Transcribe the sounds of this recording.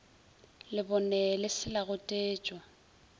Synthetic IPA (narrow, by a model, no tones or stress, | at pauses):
lɪbɔnɛlɪsɪlaɣʊtʼeːt͡ʃʼwa